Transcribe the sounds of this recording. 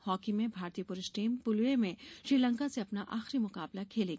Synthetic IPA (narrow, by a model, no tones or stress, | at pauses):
hɔːkimẽbʱaːɾt̪iːəpʊɾɪʃʈiːmpʊlwemẽʃɾiːlə̃ŋkaseɐpnaʔaːxɾimʊkaːblakʰeːlẽːɡ